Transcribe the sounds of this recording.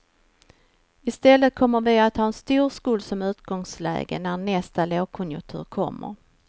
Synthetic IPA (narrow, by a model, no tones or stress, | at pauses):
ɪst̪ɛlːət̪̚kʰɔmːəɾvɪat̪hɑːɛnst̪uːɾskuːlsɔmʉ̟ːt̪ɡɔŋslɛ̰ːɡə̰nænɛst̪aloːɡ̚kʰɔnjɵt̪ʰʉ̰ːɾkʰɔ̰mːə̰ɾ